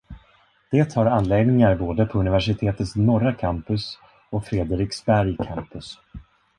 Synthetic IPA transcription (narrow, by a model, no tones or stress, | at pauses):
d̪̥eːt̪haɾanːleːɡ̪nɪŋaɾboːd̪əpʰɔɵnɪvæʂɪt̪ʰeːt̪ət̪snɔɾakʰampɵs | ɔkfɾeːd̪əɾɪksbæɾjkʰampɵs